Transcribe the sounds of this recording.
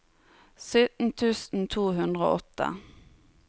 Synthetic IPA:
sʏt̪n̩t̪ʰʉːsn̩t̪ʰuːhʉnd̪ʁəo̰ːʔɔt̪ːə̰

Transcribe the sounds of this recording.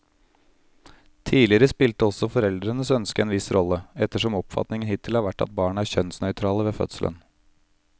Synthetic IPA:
t̪ʰiːlɪəɾəspɪlt̪əɔsɔfɔɾɛld̪ɾənəsœnskəɛːnʋɪsɾʔɔlːəɛt̪ːəʂɔmɔpfɑ̰t̪nɪŋənhɪt̪ʰːɪlhɑːɾʋæʈːɑ̰t̪̚bɑːɳəæːɾçœnsnœʏt̪ʰɾɑːləʋeːfœ̰t̪səlʔə̰n

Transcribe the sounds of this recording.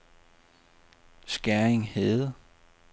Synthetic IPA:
sɡ̥æɐeŋheð̩ˠ

